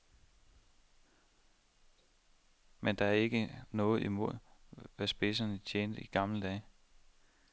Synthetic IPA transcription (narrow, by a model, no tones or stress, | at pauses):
mend̥ɑ̈æɐe̝ɡ̥ənɔ̽ːð̞̩ˠimo̝ð̞̰ˠʋæsb̥e̝s̬ɐnət͡ɕʰeːnd̥əiɡ̥ɑ̈ml̩əd̥ɛ̰ː